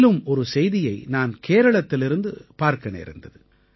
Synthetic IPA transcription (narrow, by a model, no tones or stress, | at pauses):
lɯmɔɾɯsɛjðɪjɐɪnaːnkeːɾɐɭɐt̪ːɪlɪɾɯnd̪ɯpaːɾkɐnḛːɾɯnd̪ɐðɯ